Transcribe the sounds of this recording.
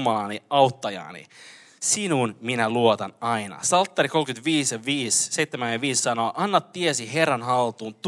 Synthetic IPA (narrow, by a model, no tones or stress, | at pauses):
mɑlɑːniɑut̪ːɑjɑ̰ːnḭ | sinunminæluot̪ɑnɑinɑ̰sɑlt̪ːɑɾikolkyt̪ʋiːsjɑʋiːsseit̪ːemænjɑʋiːsːɑnoːʔɑnːɑt̪ːiesiɦerːɑnɦɑlt̪uːnt̪